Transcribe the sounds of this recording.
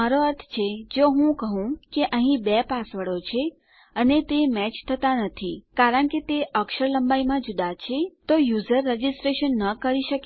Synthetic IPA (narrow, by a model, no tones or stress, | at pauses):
aɾoəɾt̪ʰt͡ʃʰed͡ʒoɦũkəɦũkeʔəɦĩbɛpasʋəɽot͡ʃʰe | ənet̪emɛt͡ʃt̪ʰət̪anət̪ʰikaɾəɳket̪eəkʃəɾləmbajmãd͡ʒud̪at͡ʃʰet̪ojuzəɾːed͡ʒisʈɾeʃənːəkəɾiʃəke